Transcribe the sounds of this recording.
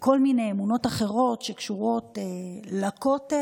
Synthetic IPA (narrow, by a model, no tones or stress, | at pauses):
ko̞lmine̞jemuno̞taχe̞ʁo̞tʃekʃuʁo̞telako̞t